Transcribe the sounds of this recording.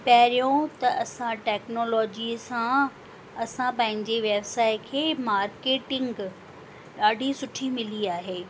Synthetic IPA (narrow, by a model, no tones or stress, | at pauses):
pɐɦɾijõt̪ɐʔɐsãʈɛːknoːlɔːd͡ʑisã | ɐsãpɐ̃ɦɪ̃ɲd͡ʑeʋebsaːɪkʰeːmaːɾkeːʈɪ̃ŋɡ | ɗaːɖʱisʊʈʰimɪliaːɦeː